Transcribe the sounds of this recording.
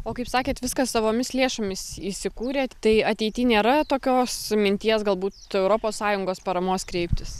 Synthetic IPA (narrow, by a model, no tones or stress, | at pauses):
oːkɐɪpsɑːkʲeːt̪ʋʲɪskɐssɐʋoːmʲɪslʲeːʃomʲɪsisʲɪkuːɾʲeːt̪ɐɪɐt̪ʲɛɪt̪ʲiːnʲeːɾɐt̪oːkʲoːsmʲɪnʲt̪ʲiɛsɡɐlˠbuːt̪ɛʊɾoːpoːssɑːjʊŋɡoːspɐɾɐmoːskɾʲɛɪpʲt̪ʲɪs